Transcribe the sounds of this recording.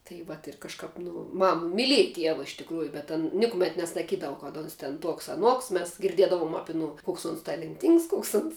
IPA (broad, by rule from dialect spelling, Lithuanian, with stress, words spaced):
tɐɪ ˈʋɐt ɪr kɐʃˈkɐp nʊ ˈmɐm mʲɪˈlʲiɛjɛ ˈtʲiɛʋɐ ɪʃ tʲɪkˈruːjʊ bʲɛt ɐn ˈnʲɪkʊmʲɛt nʲɛsɐˈkʲiːdɐʋʊ kɐt ˈoːns tʲɛn ˈtuɔks ɐˈnuɔks ˈmʲɛs ɡʲɪrʲˈdʲiɛdɐʋoːm ˈɑːpʲɪ ɐˈnʊ ˈkoːks ʊns tɐlʲɛnʲˈtʲiːŋks ˈkoːks ʊns